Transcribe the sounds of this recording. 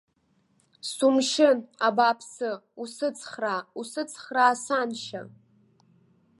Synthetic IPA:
sumʃɪnabapʰsɨusɨt͡sʰχrausɨt͡sʰχraːsanʃa̰

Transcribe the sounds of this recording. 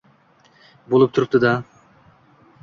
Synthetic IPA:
bolˠup̚t̪ʰuɾup̚t̪ud̪ɑ

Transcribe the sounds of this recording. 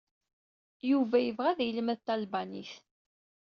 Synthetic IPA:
juvæjəvʁæðjələmæðt̪ːælbænḭθ

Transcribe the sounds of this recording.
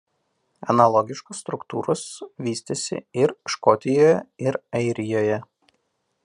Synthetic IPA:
ɛ̰nɐlˠɔɡʲɪʃkʊsːt̪ɾʊkt̪uːɾʊsʋʲiːsʲt̪ʲesʲɪ̰ɪɾʃkɔt̪ʲɪjoːjɛ̰ɪɾɐɪɾʲɪjoːjɛ

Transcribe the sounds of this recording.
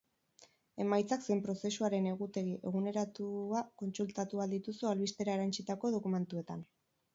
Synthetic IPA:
e̞majt͡saksempɾo̞se̞suaɾe̞ne̞ɣut̪e̞ɣiʔe̞̰ɣ̞une̞ɾat̪uako̞nsult̪at̪uald̪it̪usualβist̪e̞ɾae̞ɾant͡sit̪ako̞ð̞o̞kume̞nt̪ue̞t̪an

